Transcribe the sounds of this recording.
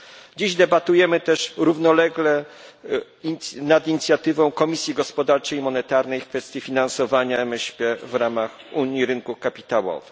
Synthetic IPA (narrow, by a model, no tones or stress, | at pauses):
d͡ʑiʑd̪ɛbat̪ujɛmɘt̪ɛʂɾuvnɔlɛɡlɛ | nad̪iɲit̪sʲjat̪ɘvɔ̃w̃kɔmʲisʲjiɡɔspɔd̪aɾt͡ʂɛjmɔnɛt̪aɾnɛjfkfɛst̪ʲjifʲinansɔvaɲaɛmɛɕpʲɛvɾamax | uɲjiɾɘnkukapʲit̪awɔ̰v